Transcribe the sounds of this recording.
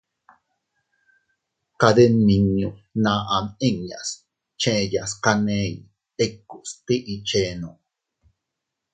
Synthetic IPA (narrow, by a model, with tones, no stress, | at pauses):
kaðe˦nːi˨ɲu˨naːʔa˨mi˦ŋja̰˨s | t͡ʃẽʔjaskaneːj | ekːu˨ʔst̪i˦ʔit͡ʃeː˦no